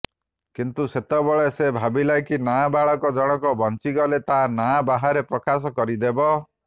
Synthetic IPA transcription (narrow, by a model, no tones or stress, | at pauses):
kint̪uset̪ɔbɔɭesebʱabilajkinabaɭɔkɔd͡ʒɔɽ̃ɔkɔbʱɔnt͡ʃiɡɔlet̪anabaɦaɾepɾɔkasɔkɔɾid̪ebɔ